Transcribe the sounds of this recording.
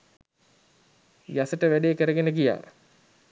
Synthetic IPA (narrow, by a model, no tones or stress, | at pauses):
jasəʈəʋæɖeːkəɾəɡenəɡija̰ː